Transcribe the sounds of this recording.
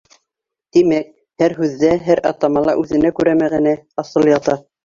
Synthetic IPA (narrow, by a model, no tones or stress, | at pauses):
t̪imæk̚ | hæɾɦʉðːæɦæɾʔɑt̪ɑmɑlˠɑʔʉðɘ̆nækʉɾæmæɡænæɑsɤlˠjɑt̪ɑ